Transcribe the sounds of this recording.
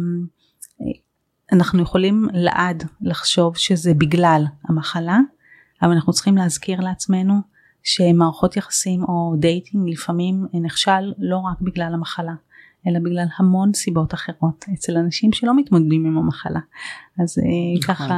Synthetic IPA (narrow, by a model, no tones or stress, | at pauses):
anaχnujeχo̞limlea̰ʔadlaχʃo̞vʃezebiɡlalhamaχala | avalanaχnut͡sχimleazkiʁleat͡smenu | ʃe̞maːʁaχo̞t̪jaχḁsimo̞dejtʰiŋɡlifamimniχʃalːo̞ʁakbiɡlalamaχala | e̞labiɡlalhamo̞nsibo̞taχe̞ʁo̞tet͡se̞lanaʃimʃelo̞mitmodedimimamaχalaazekaχa